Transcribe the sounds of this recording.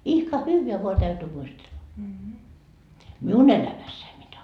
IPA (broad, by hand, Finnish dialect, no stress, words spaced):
ihkɑ hyːʋeæ ʋoɑ tæytyː muistelːɑ miun elæmæsːæi mitæ